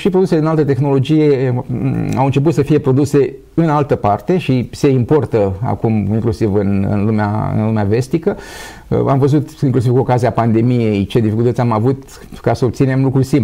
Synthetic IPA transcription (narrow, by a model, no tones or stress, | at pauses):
ʃipɾod̪useled̪inalt̪ət̪e̞xno̞lo̞d͡ʒije̞ | a̰wɨnt͡ʃe̞p̬ut̪səfije̞pɾo̞d̪use̞ | ɨnalt̪əpart̪e̞ʃise̞impo̞rt̪əa̰kumiŋklusivɨnɨ̰nlumea̰ɨ̰nlumeave̞st̪ikə | a̰mvəzut̪iŋklusiv̥kuo̞kaziapand̪e̞mije̞jt͡ʃe̞d̪ifikult̪ətsʲamavut̪ | kasəob̚t̪sine̞mlukɾusimp